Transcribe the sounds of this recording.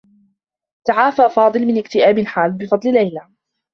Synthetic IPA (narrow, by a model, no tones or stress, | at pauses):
t̪aʕaːfaːfɑːd̪ˤɨlmɪnɪkt̪ɪʔaːbɪlħaːlbɪfɑd̪ˤllːajla